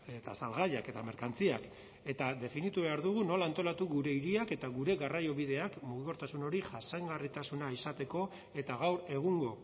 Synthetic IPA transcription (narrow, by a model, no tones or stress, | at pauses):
et̪asalɣaʎake̞t̪ame̞ɾkant͡siak | e̞t̪ad̪e̞finit̪uβe̞aɾðuɣ̞uno̞laːnt̪o̞lat̪uɣuɾe̞iɾiake̞t̪aɣuɾe̞ɣarajo̞βið̞e̞akmuɣiko̞ɾt̪asuno̞ɾiʝasajŋɡarit̪asunaisat̪e̞ko̞ | e̞t̪aɣawɾe̞ɣ̞uŋɡo̞